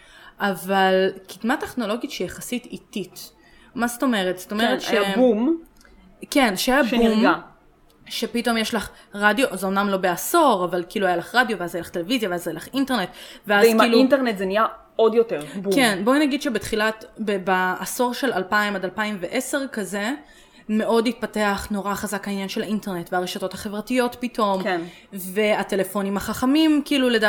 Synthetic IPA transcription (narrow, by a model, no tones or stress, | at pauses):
ʔavalkidmateχno̞lo̞ɡitʃejaχasititit | mazto̞me̞ʁet̪sto̞meʁet̪ʃeabum | kenʃeajabbmɡa | ʃepito̞mjeʃlaχ | ʁadijoʔzeomnamlo̞beaso̞ʁavalkiːluajalaχʁadjo̞veazajelaχte̞levizjaveazajelaχinte̞ʁne̞tveazkiluinteʁnetzenija | odjoteʁkenbo̞naɡid̪ʃebet̪χilatbebaʔːso̞ʁʃe̞lalpaimadalpaimveʔe̞se̞ʁkaze̞ | me̞ʔo̞dit̪̚pate̞aχno̞ʁaχazakhainjanʃe̞lainteʁnetveaʁeʃato̞thaχe̞vʁatijo̞tpitʰo̞mn | ve̞ate̞lefo̞nimhaχaχamimkiiːluleda